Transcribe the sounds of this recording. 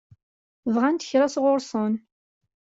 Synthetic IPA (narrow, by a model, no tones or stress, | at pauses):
vʁant̪əçɾasʁʊɾsˤən